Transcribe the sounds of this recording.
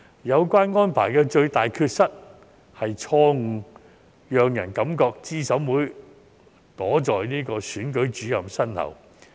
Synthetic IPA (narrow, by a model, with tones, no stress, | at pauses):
jɐ˨˧wkwaː˥nŋɔː˥npʰa̰ː˨˩jkɛː˧t͡ʃɵ˧ɥt̪aː˨jkʰyː˧t̚sɐ˥t̚ | hɐ˨jt͡ʃʰɔː˧ŋ̩˨˩ | jœː˨ŋjɐ̰˨˩nkɐ˨˥mkɔː˧k̚t͡siː˥sɐ˨˥mwuː˨˥j | t̪ɔː˨˥t͡ʃɔː˨jniː˥kɔː˧syː˨˥nkɵ˨˥ɥt͡ʃyː˨˥jɐ˨msɐ˥nt̪ʰɐ̰˨˩w